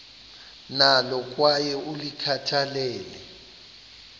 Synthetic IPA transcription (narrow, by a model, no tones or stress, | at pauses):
nalɔk̬ʼwajɛulikʰatʰalɛːlɛ